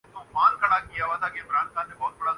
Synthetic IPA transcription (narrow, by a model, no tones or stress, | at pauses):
õmaːlkɐɽakijaʋat̪ʰaːkeɪmɾaːnxaːnːẽbɔːt̪̚bɐɽa